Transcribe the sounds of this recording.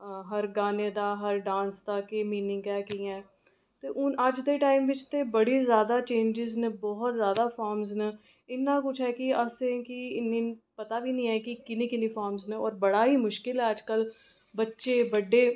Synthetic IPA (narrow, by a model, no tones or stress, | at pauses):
ɦəɾɡaːneːd̪aːɦəɾɖãːnsd̪aːkeːmiːnɪ̃ŋɡɛːkiːɛ̃ː | t̪eːʔʊnəd͡ʒd̪eːʈaːɪmʋɪt͡ʃt̪eːbəɽiːzjaːd̪aːt͡ʃẽːnd͡ʒɪznəbɔːɦt̪zjaːd̪aːfʰɔːɾmznə | ɪnːaːkʊt͡ʃʰɦɛːkiəsekiɪnːĩːpət̪aːʋiːnĩːɦɛːkikɪnĩːkɪnĩːfʰaːɾmznəɔːɾbəɽaːɦiːmʊʃkɪlɦɛːəd͡ʒkəl | bətːʃeːbəɖːeː